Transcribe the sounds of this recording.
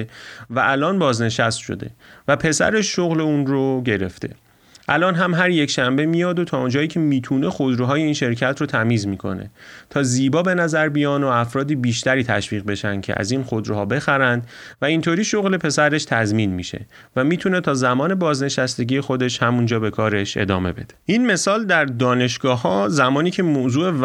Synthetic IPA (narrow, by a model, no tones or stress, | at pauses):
væʔælʔɒːnbɒːzne̞ʃæst̪ʃo̞̰d̪e̞̰væpʰe̞sæ̰ɾe̞ʃːoɣle̞uːnroɟe̞ɾe̞̰ft̪ʰe̞̰ | ʔælɒːnɦæmɦæɾje̞cʃæmbe̞mijɒːd̪ot̪ʰɒːond͡ʒɒːiːcʰe̞miːt̪ʰuːne̞xo̞d̪ɾuɦɒːje̞iːnʃe̞ɾcʰæt̪ʰrot̪ʰæmiːzmiːkʰo̞̰nḛt̪ʰɒːziːbɒːbe̞næzæɾbijɒːnoæfɾɒːd̪iːbiːʃt̪æɾiːt̪ʰæʃviːɣbe̞ʃænd̪̚cʰḛʔæ̰ziːnxod̪ɾuɦɒːbe̞xæɾænd̪væint̪ʰoɾiːʃoɣle̞pʰe̞sæɾe̞ʃt̪ʰæzmiːnmḭʃe̞̰ | væmiːt̪ʰune̞t̪ʰɒːzæmɒːne̞bɒːzne̞ʃæst̪e̞ɟʲiːje̞xo̞d̪e̞ʃhæmund͡ʒɒːbe̞kʰɒːɾe̞ʃe̞̰d̪ɒ̰ːme̞be̞d̪̥e̥ʔinme̞sɒːld̪æɾd̪ɒːne̞ʃɡ̥ɒːhɒːzæmɒːniːcʰe̞moːzuːe̞